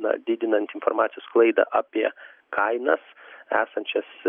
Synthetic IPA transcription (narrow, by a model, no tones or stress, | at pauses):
nɐ̰d̪ʲɪd̪ʲɪnɐnt̪ɪnfoɾmɑːt̪ʲɪjoːsklˠɐɪd̪ɐ̰ʔɑːpʲiɛkʰɐɪnɐsæːsɐnʲt͡ʃʲɛs